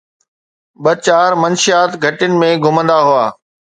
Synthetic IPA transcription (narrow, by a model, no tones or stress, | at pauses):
ɓɐt͡ɕaːɾmɐnʃijaːt̪ɡʱɐʈʊnɪ̆mẽɡʱʊmə̃nd̪aɦʊaː